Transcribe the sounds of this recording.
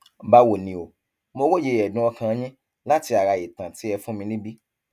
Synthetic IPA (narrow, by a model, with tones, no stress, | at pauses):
ba˦wo˨nĩ˧˨o˨ | mo˧wo˦˨je˧˨ɛ˨dũ˦ɔ˧kã˧˦ɲĩ˦ | la˦ti˧a˨ɾa˨e˨tã˨ti˨˦ɛ˧fũ˦mĩ˧nĩ˦bi˦